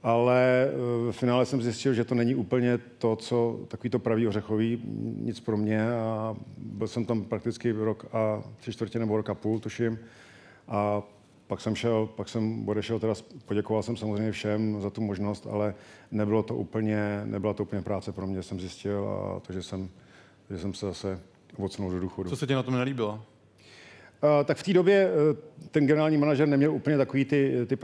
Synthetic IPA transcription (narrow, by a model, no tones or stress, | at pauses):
ʔalɛvɛfɪnaːlɛsɛmzjɪscɪlʒɛt̪onɛɲɪʔuːpl̩ɲɛt̪ot͡sot̪akoviːt̪o̞pɾaviːɦorɛxoviːɲɪt͡spɾomɲɛabɪlsɛmt̪ampɾak̚t̪ɪt͡skɪvɾokat̪r̥ɪt͡ʃt̪vrcɛnɛboɾokapuːlt̪uʃɪm | ʔa | paksɛmʃɛlpaksɛmbodɛʃɛlt̪ɛdaspoɟɛkovalsɛmsamozrɛjɲɛfʃɛmzat̪umoʒno̞st̪a̰lɛnɛbɪlot̪oʔṵːpl̩ɲɛnɛ̰bɪlat̪ouːpl̩ɲɛpɾaːt͡sɛpɾomɲɛsɛmzjɪscɪla̰t̪oʒɛsɛm | t̪oʒɛsɛmsɛzasɛ | ovot͡snuldoduːxodusosɛcɛnat̪omnɛliːbɪla | t̪akft̪iːdobjɛt̪ɛnɡɛnɛɾaːlɲiːmanaʒɛɾnɛmɲɛlʔuːplɲɛt̪ako̞viːt̪ɪt̪ɪ